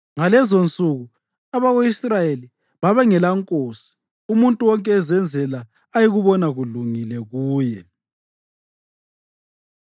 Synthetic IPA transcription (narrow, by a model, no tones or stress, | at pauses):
ŋalɛzont͡sʼuɣu | aβaɣeisrajeli | βaβɛŋɛlaŋkʼoːsi̥ | umuntʼuwɔŋkʼɛːzɛnd͡zʱɛlaː | jiɣuβɔnaɣuɮuŋilɛɣuːjɛ